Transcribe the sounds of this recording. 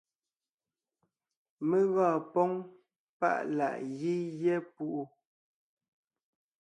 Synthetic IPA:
mə˦ɣɔː˦˨pɔ˦ŋ | pa̰˦˨ʔla̰˨ʔɣi˦jɛ˦pu˦ʔu˦

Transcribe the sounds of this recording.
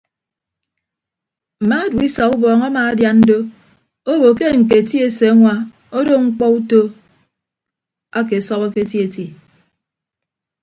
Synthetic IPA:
m̩˨ma˦dwi˦sa˨ku˦bɔː˨ŋa˦maː˨a˦dja˨nn̩˦do˦ | o˦bo˨ke˦ŋ̩˨k̬e˨ti˦e˦˨se˨a˦ŋʷa˨ | o˦do˦ŋ͡m̩˦k͡pɔ˦u˦to˦ | a˦k̬e˨sɔ˦ka˦ke˦ti˦e˨ti˦

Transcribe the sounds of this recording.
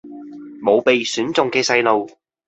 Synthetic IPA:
mo˨˧wpe˨jsyː˨˥nt͡sʊ˨ŋkɛː˧sɐ˧jlo˨˧w

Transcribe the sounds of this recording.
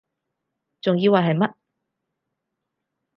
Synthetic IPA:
t͡sʊ˨ŋjiː˧waː˨˩ɦɐ˨jmɐ˥t̚

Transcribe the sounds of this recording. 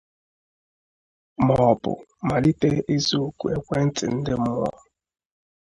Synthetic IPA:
mɔɔ˨bʊ̰˨ma˨li˦te˦ʔe˦zu˦ku˨e˦kʷe˦n̩˦tɪ̰˨n̩˦dɪ˦mʊ˦lɔ̰˦

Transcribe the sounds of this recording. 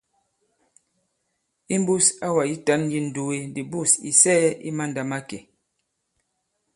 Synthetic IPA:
i˦m˦bu˦sa˦wa˨ji˦ta˨˦nji˦n̩˨du˨we˦di˨bu˦˨sḭ˨sɛː˦ḭ˦ma˦n̩˨da˨ma˦ke˨

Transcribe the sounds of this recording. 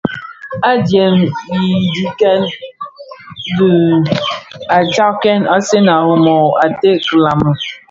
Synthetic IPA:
a˦dje˨mji˨di˨ke˦n | du˨ | a˨t͡ʃa˦kɛ˦na˦se˦na˨lʊ˨mɔ˨a˨te˦kla˨m̩˨

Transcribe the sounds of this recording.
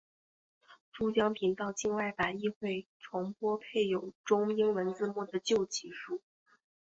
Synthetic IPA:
ʈ͡ʂu˥t͡ɕjɑ˥ŋpʰi˧˥nt̪ɑ˥˧ʊt͡ɕʰi˥˧ŋwa˥˩ɪfa˨˩ni˥˧xwe˥˩ɪʈ͡ʂʰʊ˧˥ŋpwɔ˥pʰe˥˩ɪjo˨˩ʊʈ͡ʂʊ˥ŋi˥ŋwə˧˥nt͡sɹ̩˥˧mwɔ˥˩d̪ə˩t͡ɕjo˥˩ʊt͡ɕʰi˧˥ʂu˥˩

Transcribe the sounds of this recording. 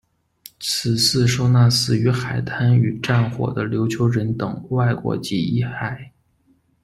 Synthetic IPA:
t͡s̩ʰ˨˩sɹ̩˥˧ʂo˥˧ʊna˥˧sɹ̩˥˩y˧˥xa˨˩ɪt̪ʰa˥ny˨˩ʈ͡ʂa˥˩nxwɔ̰˨˩d̪ə˦ljo˧˥ʊt͡ɕʰjo˧˥ʊɻə˧˥nt̪ɤ˨˩˦ŋwa˥˩ɪkwɔ̰˧˥t͡ɕi˧˥i˥˩xa˨˩˦ɪ

